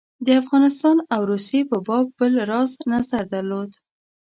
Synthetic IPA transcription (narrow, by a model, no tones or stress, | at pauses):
d̪əafɣɑnɪst̪ɑnawɾusjepəbɑbːəlɾɑznazaɾd̪aɾlod̪